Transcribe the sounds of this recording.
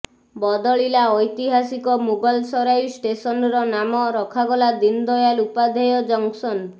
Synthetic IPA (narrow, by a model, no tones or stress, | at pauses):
bɔd̪ɔɭilaɔjt̪iɦasikɔmubɔlsɔɾajsʈesɔnɾɔnamɔɾɔkʰaɡɔlad̪ind̪ɔjalupad̪ʱejɔd͡ʒɔŋsɔn